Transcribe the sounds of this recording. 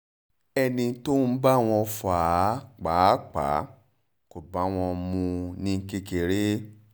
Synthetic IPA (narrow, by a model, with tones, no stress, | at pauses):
ɛ˧nĩ˧to˦n̩˦ba˦w̃ɔ̃˧faː˨˦k͡pa˨˦k͡pa̰˨˦ | ko˨ba˨˦w̃ɔ̃˧mũ˧nĩ˦˧˦ke˧ke˨ɾe˦